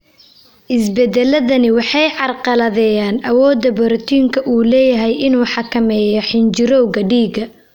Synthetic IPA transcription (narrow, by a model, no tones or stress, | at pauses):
ʔɪsbɛd̪ɛlɐðɐnɪwɑħɑjʕɑrqɑlɐðɛːjaːnʔɐwɔːd̪ɐbɔɾt̪ʰiːŋkʰɐʔuːlɛːjɐɦɛjʔɪnuːħɑkʰɐmɛːjɔħɪnt͡ʃɪɾɔwɣɐɖiːɡɐ